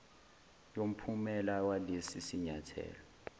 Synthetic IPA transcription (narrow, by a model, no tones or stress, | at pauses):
jom̩pʰumɛlawalesisiɲatʰɛ̰ːlɔ